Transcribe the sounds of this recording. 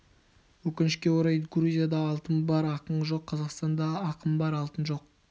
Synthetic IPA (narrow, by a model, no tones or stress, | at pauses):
wɵkʲɪnɪʃkʲe̞wo̞ɾɑjɡɾuzʲijad̪ɑːlˠt̪ənbɑɾɑqəɴʒo̞qʰːɑzɑqst̪ɑnd̪ɑːqəmbɑɾɑlˠt̪ənʒo̞q